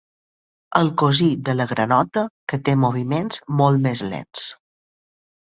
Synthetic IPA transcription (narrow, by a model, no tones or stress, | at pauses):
əlˠkozid̪ələɣɾənɔt̪əkət̪emoβ̞imenz̥molˠmezlḛns